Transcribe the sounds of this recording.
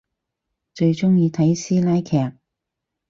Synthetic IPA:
t͡ʃɵ˧ɥt͡ʃʊ˥ŋjiː˧t̪ʰɐ˨˥jsiː˥laː˥jkʰɛː˧˥k̚

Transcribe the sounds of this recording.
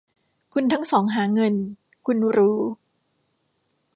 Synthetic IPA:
kʰu˧nt̪ʰa˦˥ŋsɔː˩˦ŋɦaː˩˦ŋɤ˧n | kʰu˧nɾuː˦˥

